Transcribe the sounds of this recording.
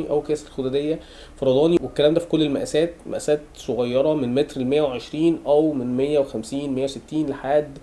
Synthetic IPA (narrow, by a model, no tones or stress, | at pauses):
iʔæwkæːsæt̪elxod̪æd̪ejːæ | fɑɾˤɑd̪ˤɑːniwekːælæːmd̪æfi̥kolːelmæʔæsæːt̪̚mʔæ̰ʔæsæːt̪soɣɑjːɑɾˤɑmenmet̪ɾelmejːæweʕeʃɾiːnʔæwmenmejːæwexæmsiːnmejːæwset̪ːiːnleħaːd̪